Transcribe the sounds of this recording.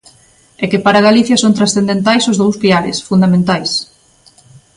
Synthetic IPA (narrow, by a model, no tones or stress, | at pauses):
ɛkɪpaɾaɣaliθjasõnt̪ɾasθend̪ent̪ajsʊzðowspiaɾɪ̰sfund̪amẽnt̪ajs